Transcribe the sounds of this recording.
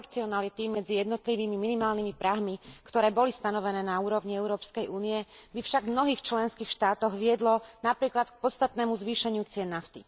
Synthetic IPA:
ɾt͡siɔnalit̪imɛd͡zijɛd̪nɔt̪liʋiːmiminimaːlnimipɾaɦmikt̪ɔɾɛːbɔlist̪anɔʋɛnɛːnauːɾɔʋɲiɛʊɾɔːpskɛjʔuːniɛbifʃaɡmnɔɦiːxt͡ʃlɛnskiːxʃt̪aːt̪ɔɣʋɪɛd̪lɔnapɾiːklat̪k̚pɔt̪st̪at̪nɛːmuzʋiːʃɛɲut͡sɪɛnːaft̪i

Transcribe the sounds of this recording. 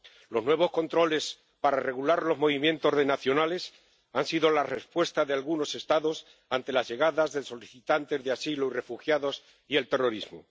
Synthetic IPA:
lo̞znwe̞β̞o̞sko̞nt̪ɾo̞le̞s | paɾare̞ɣulaɾlo̞zmo̞βimjẽ̞nt̪o̞zðe̞naθjo̞nale̞s | ansiðo̞lare̞spwe̞st̪aðe̞alɣuno̞se̞st̪aðo̞s | ant̪e̞lazʝe̞ɣ̞aðazðe̞so̞liθit̪ant̪e̞zðeasiloire̞fuxjaðo̞s | ie̞lt̪e̞ro̞ɾizmo̰

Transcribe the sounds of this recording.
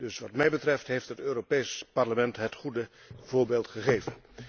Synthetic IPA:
d̥ɵsʋɑtmɛjbətrɛftɦejftɦətøːropejspɑɹləmɛntɦətχudə | v̥ʊːɹbeːlˠtχəχejvən

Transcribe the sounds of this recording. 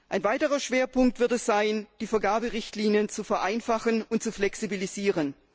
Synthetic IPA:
ʔaɪnvaɪtəʁɐʃv̥eːɐpʊŋk̚tv̥ɪɐtɛsz̥aɪnd̥iːfɛɐɡaːbəʁɪçtliːnjənt͡sufɛɐʔaɪnfaχənʊnt̚t͡suflɛksibiliziːʁən

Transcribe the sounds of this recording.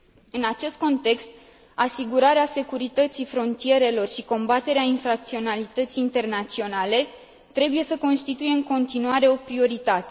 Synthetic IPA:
ɨnat͡ʃe̞st̪̚ko̞nt̪e̞kst̪ | asiɡuɾaɾease̞kuɾit̪ət̪sifɾo̞nt̪ije̞ɾe̞lo̞rʃiko̞mbat̪e̞ɾeainfɾak̚t̪sio̞nalit̪ət̪siːnt̪e̞rnat̪sio̞nale̞ | t̪ɾe̞buje̞səko̞nst̪it̪ujeɨŋko̞nt̪inuaɾe̞o̞pɾio̞ɾit̪at̪e

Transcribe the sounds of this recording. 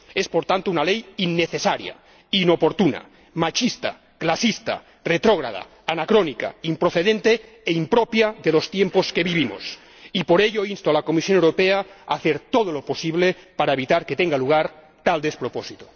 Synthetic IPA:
espoɾt̪ant̪ounalejinːeθesaɾja̰ | inopoɾt̪una̰ | mat͡ʃist̪a̰ | klasist̪a̰ | ret̪ɾoɣ̞ɾa̰ða̰ːnakɾonika̰impɾoθeðent̪eː | impɾopjaðelo̞st̪jemposke̞βiβimo̰s | ipoɾeʎoinst̪oalakomisjo̞newɾopeaaθeɾt̪oð̞oloposiβlepaɾaeβit̪aɾket̪eŋɡaluɣ̞aɾ | t̪ald̪espɾoposit̪o̥

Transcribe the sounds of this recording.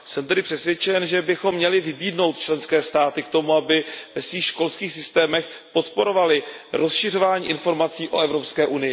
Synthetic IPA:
sɛmt̪ɛdɪpr̥ɛsvjɛt͡ʃɛnʒɛbɪxo̞mːɲɛlɪvɪbiːdno̞wt̪̚t͡ʃlɛnskɛːst̪aːt̪ɪkt̪o̞muabɪvɛsviːxʃko̞lskiːxsɪst̪ɛːmɛx | po̞t̪po̞ɾo̞valɪɾʔo̞sʃɪr̝o̞vaːɲḭːʔɪnfo̞ɾmat͡siːʔo̞ʔɛvɾo̞pskɛːʔunɪjɪ

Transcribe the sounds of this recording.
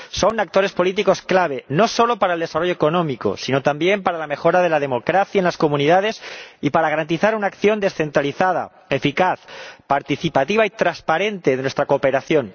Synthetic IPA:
so̞nak̚t̪o̞ɾespo̞lit̪iko̞sklaβ̞e̞no̞so̞lo̞paɾaeld̪e̞saro̞ʝoeko̞nõ̞miko̰sino̞t̪ambje̞mpaɾalame̞xo̞ɾaðe̞laðe̞mo̞kɾaθjaenlasko̞mũniðað̞e̞sipaɾaɣaɾant̪iθaɾunaːkθjo̞nd̪e̞sθe̞nt̪ɾaliθaða̰ | e̞fikaθpaɾt̪iθipat̪iβait̪ɾaspaɾe̞nt̪e̞ðnwest̪ɾako̞ːpe̞ɾaθjo̞n

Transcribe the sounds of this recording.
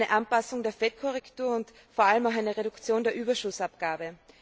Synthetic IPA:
nəʔanpasʊŋdeːɐfɛt̚kʰɔʁɛktuːɐʊnt | foːɐaləmaʊxaæɪnəʁeɾʊkt͡sjoːndeːɐʔyːbɐʃʊsapɡ̥aːbə

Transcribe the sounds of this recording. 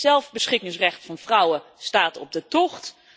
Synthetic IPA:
sɛlˠvbəsχɪkɪŋsrɛχtfɑnfrʌwəstaːtɔb̚dətɔχt

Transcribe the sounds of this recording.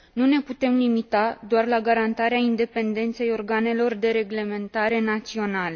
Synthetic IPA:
nune̞put̪e̞mlimit̪ad̪oarlaɡaɾant̪aɾeaind̪e̞pe̞nd̪e̞nt̪se̞jo̞rɡane̞lo̞rd̪e̞ɾe̞ɡle̞me̞nt̪aɾe̞nat̪sio̞nale̞

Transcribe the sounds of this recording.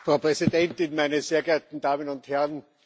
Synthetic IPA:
fʁ̥ɑʊpʁɛzidɛntɪnmæɪnəseːɐɡeɐtn̩d̥aːmənʊnthɛʁn

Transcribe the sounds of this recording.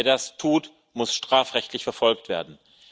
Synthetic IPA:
ɐdastʰuːt | mʊsʃtʁ̥aːfʁɛçtʰlɪçfɛɐfɔlktv̥eːɐdn̩

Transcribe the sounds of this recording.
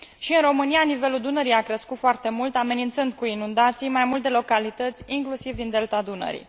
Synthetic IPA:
ʃiɨnro̞mɨnijanive̞luld̪unəɾijakɾəskut̪foart̪e̞mult̪ame̞nint̪sɨnd̪̚kuinund̪at̪sijmajmult̪elo̞kalit̪ət̪sʲiŋklusivd̪ind̪e̞lt̪ad̪unə̰ɾḭ

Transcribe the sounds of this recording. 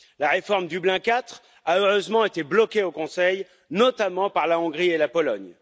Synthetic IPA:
laʁefɔʁmd̪yblɛ̃kʲat̪χ | aøʁøzmɑ̃et̪eblɔkʲeokɔ̃sɛj | nɔt̪amɑ̃paʁlaɔ̃ɡʁielapɔlɔɲ

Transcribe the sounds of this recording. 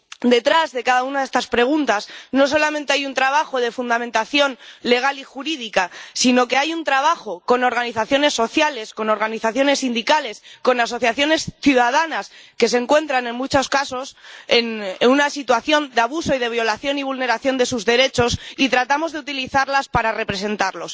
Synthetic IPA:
d̪e̞t̪ɾazðe̞kaðaunaðe̞st̪aspɾe̞ɣ̞unt̪asno̞so̞lamẽnt̪eajunt̪ɾaβ̞axo̞ð̞e̞fund̪amẽnt̪aθjo̞nle̞ɣ̞alixuɾiðikasino̞ke̞ajunt̪ɾaβaxo̞ko̞no̞ɾɣaniθaθjone̞sːo̞θjale̞sko̞no̞ɾɣaniθaθjo̞ne̞sːind̪ikale̞sko̞nas̬o̞θjaθjo̞ne̞sθjuðað̞anaske̞s̬e̞ŋkwe̞nt̪ɾanẽ̞nmut͡ʃo̞skaso̞se̞nenunasit̪waθjo̞nd̪eaβuso̞ið̞e̞β̞jo̞laθjo̞niβ̞ulne̞ɾaθjo̞nd̪e̞suzðe̞ɾe̞t͡ʃo̞sit̪ɾat̪amo̞zðeut̪iliθaɾlaspaɾare̞pɾe̞se̞nt̪aɾlo̞s

